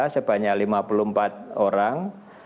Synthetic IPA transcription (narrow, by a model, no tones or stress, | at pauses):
səb̥a̤ɲaklimapulumpat̪̚oɾaŋ